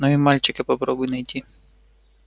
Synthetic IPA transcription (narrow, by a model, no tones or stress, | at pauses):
nɔʋʲimɑlʲt͡ʃɪkɪpɔpɾɔbʊjnɐjt̪ʲi